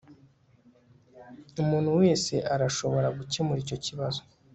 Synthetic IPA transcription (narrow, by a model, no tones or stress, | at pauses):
umuːn̥huwe̞ːse̞ʔaɾaʃo̞βo̞ɾaɡucemuɾiːco̞ciβazo